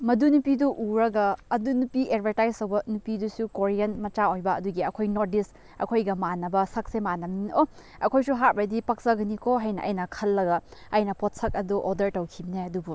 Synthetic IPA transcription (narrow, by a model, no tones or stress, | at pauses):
mɐdunupiduʔuɾɐɡɐːdunupied̚bʱɐɾtajstɐwbɐnupidusukoɾijɐnmɐt͡ʃaojbɐɐduɡiɐkʰojnoɾdis | ɐ̰kʰojɡɐmanɐbɐsɐk̚semanɐmino | ɐkʰojsuɦat̚bɐjdipɐk̚sɐɡɐnikʰoɦɐjnɐ̰ʔɐ̰jnɐkʰɐlːɐɡɐɐjnɐpot̚sɐk̚ɐduʔodɐɾtɐwkʰibneɐdubu